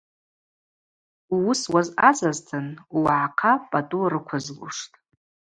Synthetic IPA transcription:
uʊswazazʼaztʰɨnwaʕaqʰapʼatʼuɾɨkʷʰazlṵʂtʼ

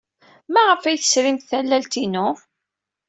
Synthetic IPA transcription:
mæʁəfæjθə̥sɾimt̪θælːælt̪inʊ

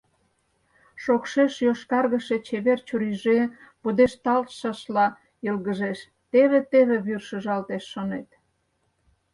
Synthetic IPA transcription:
ʃokʃeʃjoʃkɑrɣəʃet͡ɕeβert͡ɕuɾiʒepud̪eʃt̪ɑlt̪ʃɑʃlɑ | əlɣəʒeʃ | t̪eβet̪eβeβyrʃə̆ʒɑlt̪eʃːonet̪

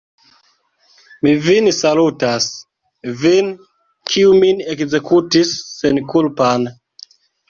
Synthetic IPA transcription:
mivinsalutas | vin | kʰiuminekzekʰutisːɛnkulpan

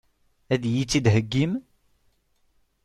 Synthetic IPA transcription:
æðjit͡sːid̪ɦəɡːim

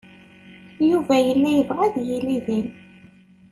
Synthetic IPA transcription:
juvæjəlːæjəvʁæðjiliðæn

